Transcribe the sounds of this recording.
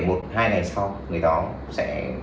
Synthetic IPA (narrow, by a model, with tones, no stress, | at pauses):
ɓu˨˩ət̚haː˧jna˨˩sa˧wŋɨ˨˩əjɗɔ˨˦ | sɛ̰˧˥